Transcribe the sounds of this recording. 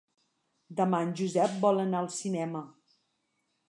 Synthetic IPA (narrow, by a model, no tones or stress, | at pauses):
d̪əmanʲʒuzɛp̚bɔlˠənaəlˠsinɛmə